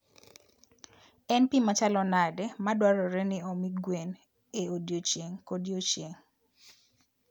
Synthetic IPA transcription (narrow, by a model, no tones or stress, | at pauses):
ɛnpimat͡ʃalɔnadɛmadwaɾɔɾɛnɪɔmiɡwen | eodjot͡ʃjeŋkodjot͡ʃjeŋ